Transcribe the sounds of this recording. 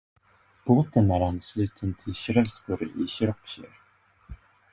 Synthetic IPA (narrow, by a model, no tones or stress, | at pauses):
b̥oːt̪ənæɾanːslʉ̟ːt̪ʰənt̪ʰɪlɕɾɛlskʊɾɪɕɾɔkɕḭɾ